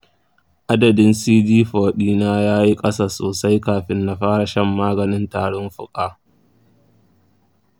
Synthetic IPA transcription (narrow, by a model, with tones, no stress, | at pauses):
ʔa˦dɐ˨dɪ˦nsiː˦d͡ʒiː˦ɸɔː˨ɗiː˦naː˦jaː˦ji˦kʼɐ˦saː˨soː˨sa˦jkaː˨ɸɪ˦nːa˨ɸaː˦ɽa˨ʃɐ˦mːaː˦ɡɐ˨nɪ˦ntaː˨ɽʊ˦mɸʊ̰˦kʼaː˦